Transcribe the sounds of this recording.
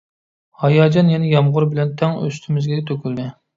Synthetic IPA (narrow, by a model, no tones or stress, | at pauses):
hɑjɑːd͡ʒɑnjɛnɪjɑmʁʊɾbɪlɛnt̪ʰɛŋø̰st̪ʰymɪzɡʲɛt̪ʰøkʲyld̪ɪ